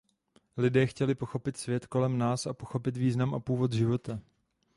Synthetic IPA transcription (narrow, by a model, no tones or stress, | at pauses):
lɪdɛːxcɛlɪpo̞xo̞pɪt̪svjɛt̪ko̞lɛmnaːsapo̞xo̞pɪt̪viːznamʔapuːvo̞t̪ʒɪvo̞t̪a